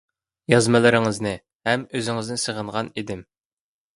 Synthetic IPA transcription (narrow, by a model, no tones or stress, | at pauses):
jɑzmɨlˠɨɾɪŋɨznɨ | hɛmøzɪŋɪznɪsəʁəɴʁɑnid̪ɪm